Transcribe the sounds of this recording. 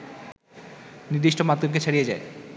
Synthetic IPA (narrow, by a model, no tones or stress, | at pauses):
niɾd̪iʃʈomat̪ːok̬et͡ɕʰaɽijed͡ʑae